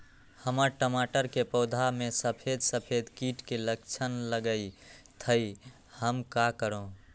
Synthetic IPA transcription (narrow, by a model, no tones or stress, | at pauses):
həməɾʈəmaʈəɾkepəd̪ʱamesəpʰed̪səpʰed̪kiʈkelək̚t͡ʃʰənləɡəjt̪ʰəj | həmkakəɾõ